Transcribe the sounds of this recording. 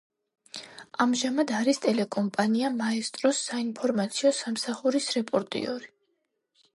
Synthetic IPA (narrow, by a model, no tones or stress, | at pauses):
amʒamad̪aɾist̪ʼɛlɛkʼɔmpʼaniamaɛst̪ʼɾɔsːainpʰɔɾmat̪sʰiɔsamsaχuɾisɾɛpʼɔɾt̪ʼḭɔɾi